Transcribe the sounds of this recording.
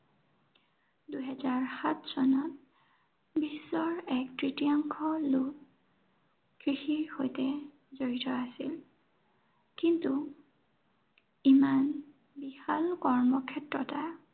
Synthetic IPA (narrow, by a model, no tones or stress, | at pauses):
duɦɛzaɹxatsɔnɔt̚ | bisːɔɹɛk̚tɹitiaŋkʰɔluk | kɹixiɹhojtɛ | zoɹitɔasil | kintu | iman | bihalkɔɹmɔkʰɛtɹɔta